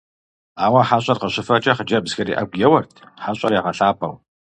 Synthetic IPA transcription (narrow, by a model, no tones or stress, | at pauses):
aːwɐħaɕʼɐrqəɕɪfɐt͡ʃʼɐχəd͡ʒɐbzxɐɾḭːʔɐ̰ɡʷjɛwɐrtʰ | ħaɕʼɐrjaʁɐɬaːpʰʼɐ̰w